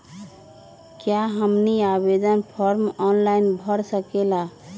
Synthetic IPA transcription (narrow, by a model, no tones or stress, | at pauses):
kjaɦəmniabed̪ənpʰɔɾmɔnlainbʱəɾsəkela